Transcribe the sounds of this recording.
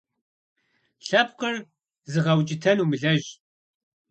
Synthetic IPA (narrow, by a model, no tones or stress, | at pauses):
ɬɐp̚qɐr | zɨʁɐwt͡ʃʼɪtʰɐnumɨɮɐʑ